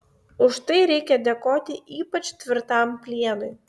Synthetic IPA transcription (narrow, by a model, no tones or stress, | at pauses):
ʊʃt̪ɐɪɾʲɛɪkʲɛd̪ʲɛkoːt̪ʲɪʔiːpɐt͡ʃt̪ʲʋʲɪɾt̪ɑˑmpʲlʲiɛnʊɪ